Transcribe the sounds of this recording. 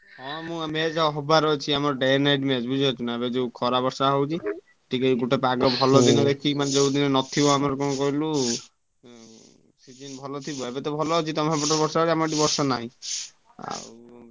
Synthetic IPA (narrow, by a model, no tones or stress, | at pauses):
ɦɔ̃mũmed͡ʒaɦɔbaɾɔet͡ʃʰiamɔɾɖanajʈmed͡ʒbud͡ʒʱat͡ʃʰunaebed͡ʒewkʰɔɾabɔɾsaɦowt͡ʃʰi | ʈʰikaiɡuʈepaɡɔbʱɔlɔd̪inɔd̪ekʰimaned͡ʒewd̪inenɔt̪ʰibɔamɔɾɔkɔnɔkɔɦilu | sid͡ʒinbʱɔlɔt̪ʰibɔebet̪ɔbʱɔlɔɦɔt͡ʃʰit̪ɔmabɔʈɔɾbɔɾsaoɾiamɔɖibɔɾsɔnaɦĩ | a̰